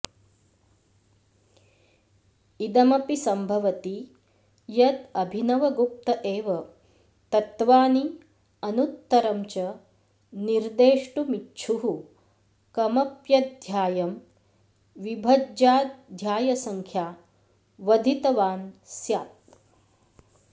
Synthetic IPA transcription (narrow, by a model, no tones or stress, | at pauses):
id̪ɐmɐpisɐmbʱɐʋɐt̪i | jɐt̪ɐbʱinɐʋɐɡup̚t̪ɐʔeːʋɐ | t̪ɐt̪ʋaːni | ɐnut̪ːɐɾɐmt͡ʃɐ | niɾd̪eːʂʈumitːt͡ʃʰuɦu | kɐmɐpjɐd̪ʱjaːjɐm | ʋibʱɐd͡ʒaːd̪ʱjaːjɐsɐŋkʰjaː | ʋɐd̪ʱit̪ɐʋaːnsjaːt̪̚